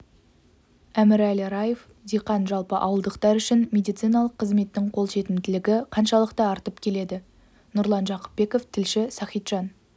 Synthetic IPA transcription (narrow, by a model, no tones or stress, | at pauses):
æmɪɾælɪɾɑjef | d̪ijqɑnʒɑlˠpəʔɑwəlˠd̪əqt̪ɑɾʏʃɪnmʲe̞d̪ijt̪sɨjnɑlˠəqʰːəzme̞t̪ːɪŋqʰo̞lˠʃe̞t̪ɪmt̪ɪlɪɡʲɪqʰɑnʃɑlˠəqt̪ɑːɾt̪əpkʲʰe̞le̞d̪ɪ | nʊɾlˠɑnʒɑqə̥p̚be̞ko̞ft̪ʰɪlʃɪsɑχijt̪ʒ̥ɑn